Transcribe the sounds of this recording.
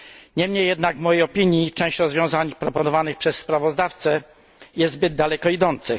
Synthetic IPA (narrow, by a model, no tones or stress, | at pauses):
ɲɛmɲejːɛd̪naɡvmɔjejɔpʲiɲjit͡ʂɛ̃w̃ɕt͡ɕɾɔzvʲjɔ̃w̃zaɲpɾɔpɔnɔvanɘxpʂɛsːpɾavɔzd̪aft̪sɛ | jɛst̪zbɘd̪̚d̪alɛkɔid̪ɔnt̪sɘ